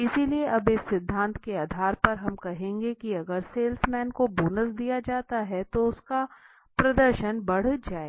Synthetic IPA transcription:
ɪsilieʔɐbɪsːɪd̪ʱːãːnt̪keaːd̪ʱaːɾpɐɾɦɐmkɐɦẽːŋɡekiɐɡəɾseːlsmɛːnkobuːnəsd̪ijad͡ʒaːt̪aɦɛt̪oʊska | pɾɐd̪əɾʃənbɐɽ̤d͡ʒaːeː

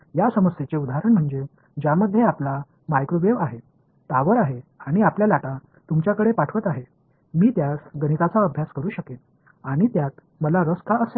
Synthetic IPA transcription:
jasəməset͡seud̪aɦɾəɳm̤əɳd͡ze | d͡ʑjaməd̪ʱːjeapla | majkɾoʋeʋaɦe | t̪aʋəɾaɦeaɽ̃iapljalaʈa | t̪umt͡ɕjakəɽepaʈʰʋət̪aɦe | miːt̪jasɡənit̪at͡saəbʱjaskəɾuːɕəket̪̚ | aɽ̃it̪jat̪ | məlaɾəskaəse

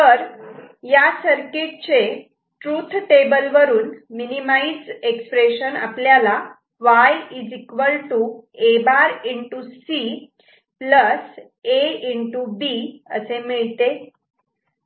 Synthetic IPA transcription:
t̪əɾjasəɾkeʈ̚t͡ɕe | ʈɾut̪ʰʈebəlʋəɾuːnminimaid͡zekspɾeɕəna̰pljala | ʋajid͡zikʋəlʈuebaɾiɳʈusi | pləs | eiɳʈubiə̰semiɭt̪e

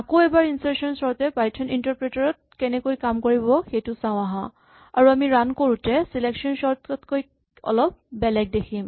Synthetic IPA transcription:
akoɛbaɹinsɛɹsɔnsɔɹtɛpajtʰɔnintaɹpɹɛtaɹɔt̚kɛnɛkojkamkoɹibɔxejtʊsãʊ̃aɦã̰ | aɹuamiɹankoɹutɛsileksɔnsɔɹtɔtkoj | ɔ̰lɔp̚bɛlɛɡ̚dekʰim

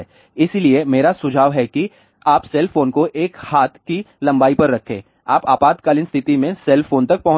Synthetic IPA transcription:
ɪsiliemeːɾasʊd͡ʒʱaːʋɦɛki | aːpsɛlfʰoːnkoʔeːkhaːt̪ʰkilɐ̃mbaːipɐɾːɐkʰḛ̃ː | aːpaːpaːt̪kaːlɪnst̪ʰɪt̪imẽsɛlfʰoːnt̪ɐk̚pɐɦ

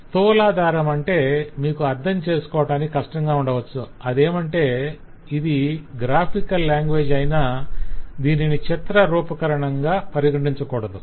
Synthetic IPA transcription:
t̪uːlaːd̪aːɾɐmɐɳʈe̞ːmiːkuɐɾd̪ʱɐmt͡ʃe̞ːsu̥kɔːʋɐʈaːnikikɐʂʈɐŋɡaːuɳɖɐʋɐt͡ʃːuɐd̪e̞ːmɐɳʈe̞ː | id̪iɡɾaːpʰikɐlːjaːŋɡʋe̞ːd͡ʒɐjnaːd̪iːninit͡ʃɐt̪ɾɐɾuːpɐkɐɾɐɳɐŋɡaːpɐɾiɡɐɳɖiɲt͡ʃɐkɔːɽɐd̪u

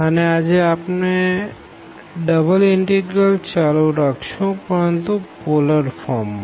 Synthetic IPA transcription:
ənead͡ʒeapne | ɖəbəlɪɳʈiɡɾəlt͡ʃaluɾakʰʃũpəɾənt̪upoləɾfɔɾmː

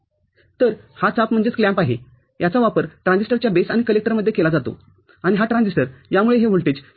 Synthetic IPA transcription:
t̪əɾ | hat͡sapm̤əɳd͡zet͡skljãmpaɦe | jat͡saʋapəɾʈɾãnd͡zisʈəɾt͡ɕjabesaɽ̃ikəlek̚ʈəɾməd̪ʱːjekelad͡zat̪o̰ | aɽ̃iɦaʈɾãnd͡zisʈəɾjamuɭeɦeʋuɭʈed͡ʑ

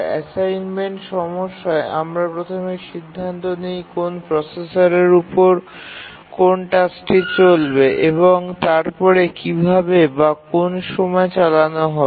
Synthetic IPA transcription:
ɛ̰sajnmeɳʈʃɔmoʃːaeʔamɾapɾot̪ʰomeɾʃid̪ʱːant̪onejkonpɾɔsesaɾeɾupoɾ | konʈasʈit͡ɕolbeʔeβoŋt̪aɾpɔɾekibʱabebakonʃɔmɔet͡ɕalanoɦɔ

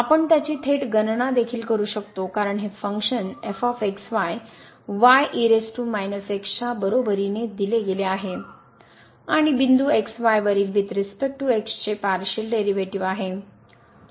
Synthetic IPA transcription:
apəɳt̪jat͡ɕiːt̪ʰeʈɡənɳ̃ad̪ekʰiːlkəɾuːɕəkt̪okaɾəɳɦefəŋkɕənefɔfeksʋaj | ʋajʔiɾesʈumajnəsekst͡ɕabəɾobəɾined̪ileɡeleaɦe | aɽ̃ibind̪ueksʋajʋəɾiːlʋit̪ɾist̪əʈuekst͡ɕepaɾɕəlɖeɾiʋeʈiʋaɦe

